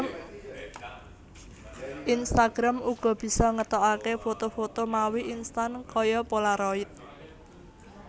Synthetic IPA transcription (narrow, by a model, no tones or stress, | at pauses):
ʔinst̪aɡ̥ɾamuɡ̥ɔ̤b̥i̤sɔŋət̪ɔakefot̪ofot̪omawiʔinst̪ankɔjɔpolaɾɔit̪̚